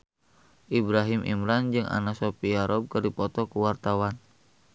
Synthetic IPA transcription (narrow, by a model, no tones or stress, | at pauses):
ʔibɾaɦimʔḭmɾand͡ʒɨŋa̰nasopiaɾɔb̚kɨrdipɔt̪ɔkuwart̪awan